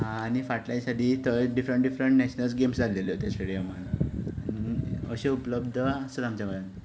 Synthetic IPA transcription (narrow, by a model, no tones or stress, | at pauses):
ɦãːñifaʈlajsaʈiːt̪əɖifɾəɳʈɖifɾəɳʈnɛɕnəlsɡemsd͡zʱalelot̪jaseɽiamənaniə̰ɕeupləbd̪ʱəsəd̪amt͡ɕaməlan